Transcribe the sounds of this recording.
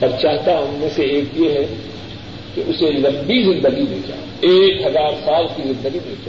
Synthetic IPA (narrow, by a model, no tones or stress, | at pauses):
ɐɾt͡ʃaːɦt̪aɦʊmmẽseeːkjeɦɛ | keʔʊselɐ̃mbizɪ̃nd̪əɡibʱẽːt͡ʃa̰ː | eːkɦɐzaːɾsaːlkizɪ̃nd̪əɡibẽːt͡ʃa